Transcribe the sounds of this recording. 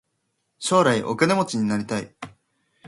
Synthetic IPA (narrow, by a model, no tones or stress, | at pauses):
ɕo̞ːɾaiʔo̞̰kane̞mo̞t͡ɕiɲ̟inaɾʲit̪aḭ